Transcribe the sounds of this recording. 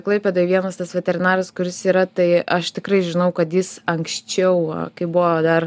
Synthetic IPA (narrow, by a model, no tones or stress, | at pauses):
klˠɐɪpʲeːd̪oːɪʋʲiɛnɐst̪ɐsʋʲɛt̪ʲɛɾʲɪnɑːɾʲɐskʊɾʲɪsiːɾɐt̪ɐɪɐʃt̪ʲɪkɾɐɪʒʲɪnɐʊkɐt̪jɪsɐŋksʲt͡ʃʲɛʊ̰kɐɪbuʋod̪ɐr